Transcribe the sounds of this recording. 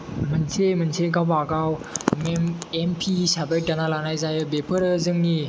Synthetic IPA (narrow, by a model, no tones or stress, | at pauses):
mənt͡ʃʰemənsʰeɡawbaɡawmɛmɛmpʰisabajɖanalanajzajəbepʰəɾəzəŋni